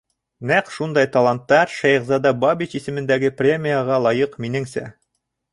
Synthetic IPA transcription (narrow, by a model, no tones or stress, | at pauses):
næqʃund̪ɑjt̪ɐlˠant̪ːɑɾʃæjʁzɑd̪ɑbabʲiɕisɘ̆mɘ̆nd̪æɡɘprʲemʲijaʁɑlˠɑjɤqminɘŋsæ̰